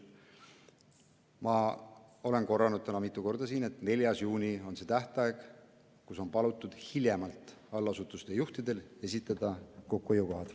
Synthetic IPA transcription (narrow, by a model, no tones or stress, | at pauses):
mɑo̞le̞nko̞rːɑnud̪̥̚t̪ænɑmit̪ˑːuko̞rd̪̥ɑsiːne̞t̪ne̞lʲjɑsjuːnʲio̞nse̞t̪æht̪ɑeɡ̥ | kuso̞npɑlut̪ːˑud̪̥hiljemɑlt̪ˑɑlːɑsut̪ːˑust̪ejuht̪id̪̥e̞le̞sit̪ːˑɑd̪̥ɑko̞kːˑuejuko̞ɦɑd̪̥